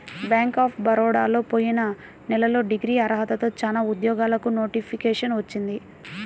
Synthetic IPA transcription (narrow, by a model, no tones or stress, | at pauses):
bjaːŋkaːpʰbɐɾɔːɽa̰ːlo̞ːpo̞ːjinɐ | nɛlɐlo̞ːɖiɡɾiːɐɾɐɦɐt̪ɐt̪o̞ːt͡ʃaːnaːud̪jɔːɡaːlɐkuno̞ːʈipʰikɛːʂɐnʋɐt͡ʃːind̪i